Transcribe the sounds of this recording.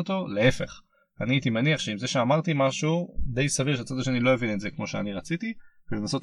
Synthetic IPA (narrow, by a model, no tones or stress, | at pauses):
ot̪o̞leefe̞̰χ | aniait̪imeniaχʃeimzeʃeamaʁt̪imaʃud̪e̞jsaviʁʃat͡sad̪aʃe̞nilo̞jevinetzekmo̞ʃea̰niʁat͡sit̪ivelenasot